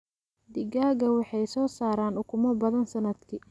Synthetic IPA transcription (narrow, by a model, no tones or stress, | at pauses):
d̪ɪɡaːɣɐwɑħɑjsɔːsaːɾaːnʊkʰʊmɔbɐðɐnsɐnɐd̪kʰiː